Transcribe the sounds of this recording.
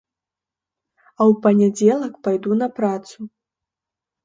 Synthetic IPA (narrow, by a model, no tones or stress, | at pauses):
ɐwpɐnʲad͡zʲɛlˠɐkpajd̪unɐpɾat̪su